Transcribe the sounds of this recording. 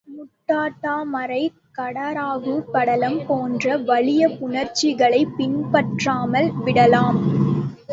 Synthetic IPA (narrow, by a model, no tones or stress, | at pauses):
mʊʈːaːʈːaːmɐɾɐɪ | kɐɽɐɾaːɣɯpɐɽɐlɐmpoːndrɐʋɐɭɪjɐpʊnɐɾt͡ʃɪɣɐɭɐɪpːɪnpɐʈraːmɐlʋɪɽɐlaːm